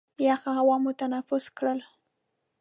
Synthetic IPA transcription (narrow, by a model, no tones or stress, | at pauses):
jaxahawɑmʊt̪anafʊskɽəl